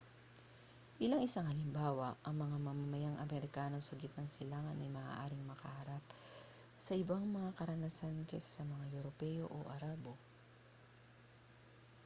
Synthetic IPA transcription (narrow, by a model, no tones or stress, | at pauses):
ʔɪlaŋɪsaŋɐlɪmbaːwɐʔɐŋmɐŋamɐmɐmɐjaŋʔɐmɛɾɪkaːno̞sɐɡɪt̪nɐŋsɪlaːŋɐnʔɐjmɐːʔa̰ːʔaːɾɪŋmɐkɐhɐɾap̚ | sɐʔɪbaŋmɐŋakɐɾɐnɐsankɛssːɐmɐŋajɛɾopɛjo̞̰ʔo̰ʔɐɾaːbo̞